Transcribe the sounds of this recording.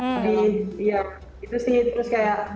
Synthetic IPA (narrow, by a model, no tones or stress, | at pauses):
adiija | it̪usiht̪əɾʊskajaʔ